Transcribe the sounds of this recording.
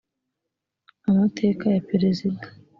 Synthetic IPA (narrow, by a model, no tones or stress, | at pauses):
amatʰe̞ːkajapeɾezidḁ